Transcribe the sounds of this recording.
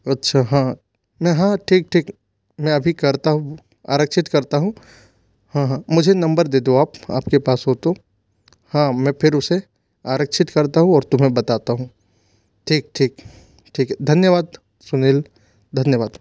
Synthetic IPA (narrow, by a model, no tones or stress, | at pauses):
ɐtːʃʰaɦãː | mɛ̃ɦãːʈʰiːk̚ʈʰiːk | mɛ̃ɐbʱikɐɾt̪aɦũ | a̰ːɾəkʃɪt̪kɐɾt̪aɦũ | hãːɦãmʊd͡ʒʱenɐ̃mbəɾd̪eːd̪oaːpa̰ːpkepaːsɦoːt̪o | hãːmɛ̃ːpʰɪɾʊse | aːɾəkʃɪt̪kɐɾt̪aɦũɔːɾt̪ʊmɦẽbɐt̪aːt̪aɦũ | ʈʰiːk̚ʈʰiːk | ʈʰiːkɛd̪ʱɐnjəʋaːd̪ | sʊneːl | d̪ʱɐnjəʋaːd̪